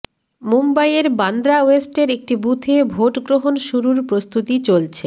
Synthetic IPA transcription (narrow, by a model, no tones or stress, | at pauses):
mumbajeɾband̪ɾaoesʈeɾek̚ʈibut̪ʰebʱoʈɡɾoɦonʃuɾuɾpɾost̪ut̪it͡ɕolt͡ɕʰe